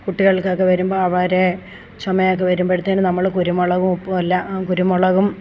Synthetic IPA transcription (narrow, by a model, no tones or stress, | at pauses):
kuʈːiɣɐɭkɨokːe̞ʋɐɾumboːɐʋɐɾe | t͡ɕɐmɐjok̬ːe̞ʋɐɾumboeɽut̪ːɐːnɨnɐmːɐɭkuɾumoɭɐɣumupːuɐlːɐkuɾumoɭɐɣum